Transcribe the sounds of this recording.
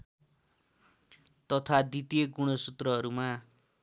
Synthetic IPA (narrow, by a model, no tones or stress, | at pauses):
t̪ʌt̪ʰad̪it̪ijeɡuɽ̃ʌsut̪rʌɦʌɾuma